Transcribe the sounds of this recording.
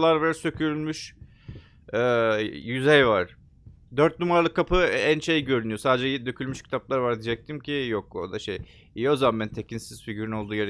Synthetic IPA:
lˠaɾvɛɾsø̞cʰyɾylʲmyʃ | jyzɛjvaɾ̥ | d̪øɾt̪̚numaɾlˠɯkʰːapʰɯænʃe̞jɟø̞ɾynyjo̞saːd̪ed͡ʒɛd̪øcʰylʲmyʃcʰi̥t̪ʰaplˠaɾvaɾd̪id͡ʒɛc̚t̪ʰimcʰijoko̰d̪aʃej | ijozaamːænt̪ʰe̞cʰinsiz̥ficyɾyno̞lˠd̪uːjeɾ

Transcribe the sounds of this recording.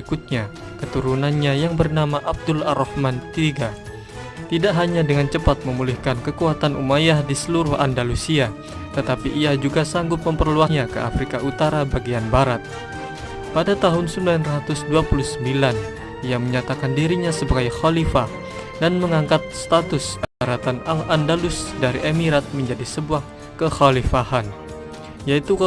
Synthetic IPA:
ikʊt̪̚ɲa | kət̪uɾunanɲajaŋbərnamaʔab̚dʊlaɾɔhmant̪iɡa | t̪idaʔɦaɲadəŋant͡ʃəpat̪̚məmulɪhkankəkuat̪anʔumajahdisəluɾʊhʔa̰ndalusia | t̪ət̪apiʔiad͡ʒuɡasaŋɡʊt̪̚məmpərluaɲakə̰ʔa̰fɾikaʔut̪aɾabaɡianbaɾat̪̚ | padat̪aɦʊnsəmbilanrat̪ʊsduapuluhsəmbilan | ijaməɲat̪akandiɾiɲasəbaɡajxalifah | danməŋaŋkat̪̚st̪at̪ʊsaɾat̪analandalʊsdaɾiʔemiɾat̪̚məɲd͡ʒadisəbuah | kəxalifahan | jait̪u

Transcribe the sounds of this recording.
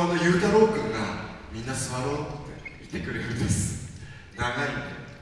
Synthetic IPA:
onːojɯːt̪aːɾo̞ːɡɯ̟̃ŋɡa̰mʲĩnːasɨβaɾo̞ːt̪ːe̞̰it̪ːe̞kɯ̟ɾɯ̟ɾɯ̟nd̪esɨ̥ | naɡaie

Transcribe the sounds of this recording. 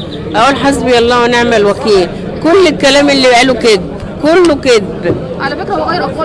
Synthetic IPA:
ʔæʔuːlħazbijælˤːɑːwæneʕmælwækiːl | kʊlːekːælæːmʔelːibʔæluked̪̚b | kʊlːoked̪̚b

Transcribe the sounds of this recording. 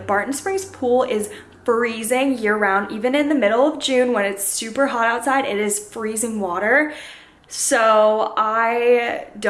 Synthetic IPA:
bɑɹʔn̩spɹɪ̃ŋz̥pʰulˠɪz̥ | fɹizɪ̃ŋjɪɹə˞ãʊ̃ndivɨ̃nɨ̃nðɨmɪɾl̩ˠʌvd͡ʒʉ̃nwə̃nɨtsʉpə˞ɦɑɾaʊtsaɪɾɪɾɪz̥fɹizɪ̃ŋwɔɾə˞ | soʊaɪd

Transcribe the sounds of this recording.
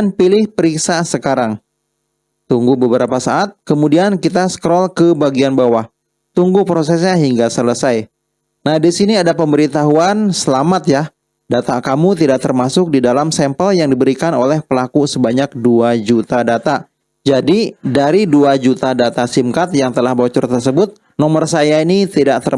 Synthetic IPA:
npilɪhpəɾiksasəkaɾaŋ | t̪uŋɡubəbəɾapasaʔat̪̚kəmudiankit̪asə̥kɾɔlkəbaɡianbawah | t̪uŋɡupɾosɛs̬ɲaɦiŋɡasələsaj | nahdisiniadapəmbəɾit̪aɦuansəlamat̪̚jah | dat̪akamut̪idaʔ̚t̪ərmasʊk̚didalamsɛmpəljaŋdibəɾikanolɛhpəlakusəbaɲak̚duad͡ʒut̪adat̪a | d͡ʒadidaɾiduad͡ʒut̪adat̪asimkat̪jaŋt̪əlahbot͡ʃṵrt̪ərsəbʊt̪̚ | nɔmərsajainit̪idaʔt̪ər

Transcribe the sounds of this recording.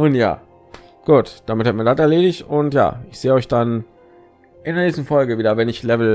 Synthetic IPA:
ʔʊnja̰ː | ɡ̥uːtd̥amɪthatmiːɐdatɛɐleːdɪçtʊntja̰ːɪçz̥eːəɔʏçd̥an | ʔɪndeːɐneːçstn̩fɔlɡəviːdɐvɛnɪçlɛvl̩

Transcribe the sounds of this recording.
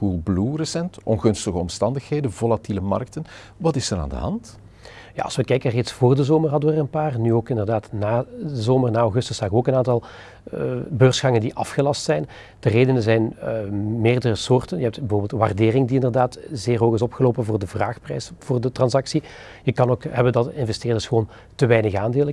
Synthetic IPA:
pulˠblurəsɛntɔnɣɵnstəɣəɔmstɑndəxheːdənvolatiləmɑ̰rk̚tən | ʋɑtɪsəɾa̰ːndə̰ɦɑ̰nt | ja̰ɑ̰lˠsʋəkɛjkənəreːtsfoːrdəzoːmərɦɑdəʋəərənpaːrnyoːkɪndərdaːtnaːdəzoːmərnaːɔwɣɵstəsaːɣoːkənaːntɑlˠ | bøːrsxɑŋəndiʔɑfxəlɑstsɛjn | d̥əreːdənənzɛjn | meːrdərəsoːrtənjəɦɛp̚tbəvʊːbɪlˠtʋa̰rdeːrɪŋdiɪndərdaːtzeːrɦoːɣɪsɔpxəloːpənvʊːrdəvraːxprɛ̰jsv̥ʊːrdətrɑnzɑksi | jəkɑnoːkɦɛbəndɑtɪnvɛsteːrdəsxəʋoːn | təʋɛjnəɣaːndeːlˠə

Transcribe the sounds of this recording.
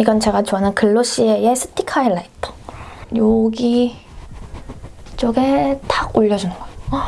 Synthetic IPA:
iɡʌnt͡ɕe̞ɡat͡ɕoanɯnkɯɭːoɕ͈iejes͈ʰɯ̥tʰikʰaiɭːait͈ʰʌ̥joɡi | t͡ɕ͈oɡe̞taoʎːʌd͡ʑunɯnɡʌe

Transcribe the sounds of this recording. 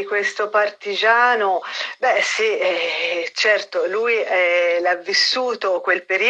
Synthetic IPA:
kwest̪opart̪id͡ʒaːnobɛsiɛt͡ʃɛrt̪olujɛlavːisːuːt̪okwelpeɾi

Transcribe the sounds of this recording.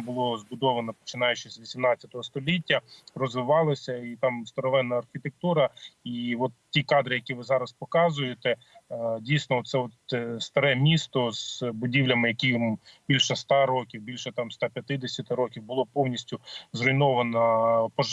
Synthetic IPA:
bʊlˠɔzbʊd̪ɔʋɐnɔpɔ̥t͡ʃɪnɑjʊt͡ʃɪsʲʋʲisʲimnɑt͡sʲɐt̪ɔɦɔst̪ɔlʲitʲːɐrɔzʋɪʋɑlˠɐsʲɐit̪ɑmst̪ɔɾɔʋɛnːɐːrxʲɪt̪ek̚t̪uɾɐiʋɔt̪tʲikɑd̪ɾɪjɐkʲiʋɪzɑɾɐspɔkɑzʊjet̪ɛ | dʲijsnɔɔt̪sɛɔt̪st̪ɐɾɛmʲist̪ɔz̥bʊdʲiwlʲɐmɪjɐkʲijmbʲilʲʃɛst̪ɑɾɔkʲiwbʲilʲʃɛt̪ɑmst̪ɑpʲjɐt̪ɪd̪esʲɐt̪ɪɾɔkʲiwbʊlˠɔpɔwnʲisʲtʲʊzrɔjnɔʋɐnɐpɔʒ

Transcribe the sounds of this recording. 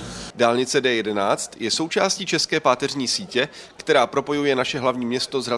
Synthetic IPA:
daːlɲɪt͡sɛdɛːjɛdɛnaːt͡st̪jɛso̞wt͡ʃaːsciːt͡ʃɛskɛːpaːt̪ɛrɲiːsiːcɛkt̪ɛɾaːpɾo̞po̞jujɛnaʃɛɦlavɲiːmɲɛst̪o̞zra

